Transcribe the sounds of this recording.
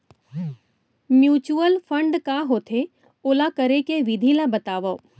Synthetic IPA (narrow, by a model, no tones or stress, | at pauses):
mjuːt͡ʃuəlfʰə̃ɳɖkaɦoːt̪ʰe | oːlakəɾekeʋid̪ʱilabɐt̪aːʋə